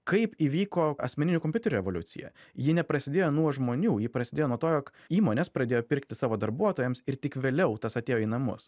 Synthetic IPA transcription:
kɐɪpiːʋʲiːkoːɐ̰sʲmʲɛnʲɪnʲukɔmpʲʊt̪ʲɛɾʲːɛʋolʲʊ̰t̪sʲɪ̰jɛ̰jɪnʲɛpɾɐsʲɪd̪ʲeːjoːnuɔʒmoːnʲuːjɪpɾɐsʲɪd̪ʲeːjoːnuɔt̪oːjoːk | iːmoːnʲeːspɾɐd̪ʲeːjoːpʲɪɾkt̪ʲɪsɑːʋoːd̪ɐɾbuɔt̪oːjɛmsɪɾt̪ʲɪkʋʲeːlʲɛʊt̪ɐsɐt̪ʲeːjoːiːnɐmʊ̰s

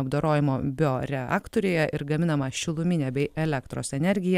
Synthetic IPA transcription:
ɐbd̪oːɾoːjɪmoːbʲɪoɾʲɛɑ̰ːkt̪oːɾʲʊːjɛʔɪɾɡɐmʲɪnɐmɐʃʲɪlˠʊmʲɪnʲɛːbʲɛɪɛlʲɛkt̪ɾo̰ːsɛnʲɛɾʲɡʲɪjɛ

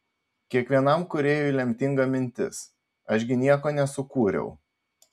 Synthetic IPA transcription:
kʲiɛkʋʲiɛnɐmkʊɾʲeːjʊilʲɛmʲt̪ʲɪŋɡɐmʲɪnʲt̪ʲɪ̰s | ɐʒʲɡʲɪnʲiɛkoːnʲɛsʊkuːɾʲɛ̰ʊ

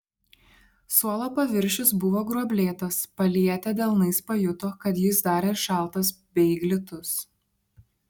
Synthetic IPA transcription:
suɔlˠoːpɐʋʲɪɾʲʃʲɪs̬bʊʋoːɡɾuɔbʲlʲeːt̪ɐspɐlʲiɛt̪ʲɛd̪ʲɛlˠnɐɪspɐjʊt̪oːkɐt̪jɪsd̪ɑːɾʲeːɪɾʃɑˑlˠt̪ɐs̬bʲɛɡlʲɪt̪ʊs

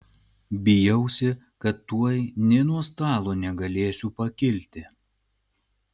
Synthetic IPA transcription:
bʲɪjɛʊsʲɪ | kɐt̪ːuɔjnʲɛnuɔst̪ɑːlˠoːnʲɛɡɐlʲeːsʲupɐkʲɪlʲt̪ʲɪ

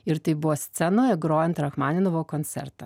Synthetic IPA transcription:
ɪɾt̪ɐɪbʊʋosʲt̪sʲɛnoːɛɡɾoːjɛnt̪ɾɐxmaːnʲɪnoʋoːkonʲt̪sʲɛ̰ɾt̪ɐ

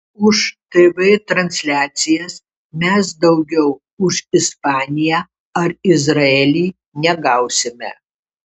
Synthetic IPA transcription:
ʊʃt̪ɐɪʋɐɪt̪ɾɐnʲsʲlʲæːt̪sʲɪjɛs | mʲɛsd̪ɐʊɡʲɛʊ | ʊʃɪspɑːnʲɪjæ | ɐɾɪzɾɐeːlʲiː | nʲɛɡɐʊsʲɪmʲɛ̰

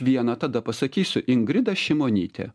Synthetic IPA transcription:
ʋʲiɛnɐt̪ɐd̪ɐpɐsɐkʲiːsʲʊʔɪŋɡɾʲɪd̪ɐʃʲɪmoːnʲḭːt̪ʲɛ̰

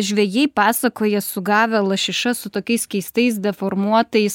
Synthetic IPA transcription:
ʒʲʋʲɛjɛɪpɑːsɐkoːjɛsʊɡɑːʋʲɛlˠɐʃʲɪʃɐsʊt̪oːkʲɛɪskʲɛɪst̪ɐɪsd̪ʲɛfoːɾmuɔt̪ɐɪs

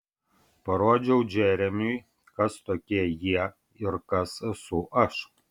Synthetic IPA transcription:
pɐɾoɔd͡ʒʲɛwd͡ʒɛːɾʲɛmʲyj | kɐst̪oːkʲiːjiɛ | ɪrkɐsɨsuːʔɐʃ

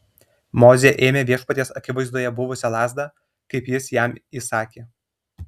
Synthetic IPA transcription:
moːzʲeʔeːmʲeːʋʲiɛʃpɐt̪ʲeːsɐkʲɪʋɐɪzd̪uɔjɛbʊʋʊsʲɛlˠɑːzd̪ɑː | kɐɪpjɪsjæmiːsɑːkʲeː

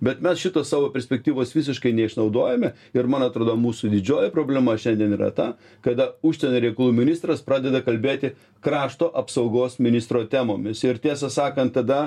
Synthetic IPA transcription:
bʲɛt̪mʲɛsʃʲɪt̪oːssɑːʋoːpʲɛɾʲsʲpʲɛk̚t̪ʲiːʋoːsʋʲɪs̬ʲɪʃkɐɪnʲɛɪʃnɐʊd̪oːjɛmʲɛ | ɪɾmɐnɐt̪ɾoːd̪omuːsud̪ʲɪd͡ʒʲoːjɛpɾoːbʲlʲɛmɐʃʲɛnʲd̪ʲiɛniːɾɐ̰t̪ɑ | kɐd̪ɐuːʃʲsʲɛnʲoːɾʲɛɪkɐlˠuːmʲɪnʲɪst̪ɾɐspɾɑːd̪ʲɛd̪ɐkɐlʲbʲeːt̪ʲɪ | kɾɑːʃt̪oːʔɐpsɐʊɡoːsmʲɪnʲɪst̪ɾoːt̪ʲæmoːmʲɪsɪɾt̪ʲiɛsɐsɑːkɐnt̪tɐd̪ɐ

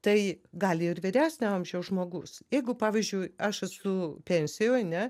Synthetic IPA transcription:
t̪ɐɪɡɑːlʲɪɪrʋʲɪɾʲæːsʲnʲæɐmʲʒʲɛʊʒmoːɡʊsjɛɪɡʊpɑːʋʲizʲd͡ʒʲʊɪɐʃɐsʊpʲɛnʲsʲɪjoːɐnʲɛ

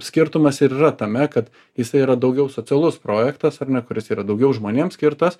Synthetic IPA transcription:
sʲkʲɪɾt̪ʊmɐsɪɾiːrɐt̪ɐmʲɛkɐt̪ | jɪsɐɪiːɾɐd̪ɐʊɡʲɛʊsoːt͡s̪ʲɪɛlˠʊspɾoːjɛkt̪ɐsɐrnʲɛkʊɾʲɪsiːɾɐd̪ɐʊɡʲɛʊʒmoːnʲeːmsʲkʲɪɾt̪ɐs

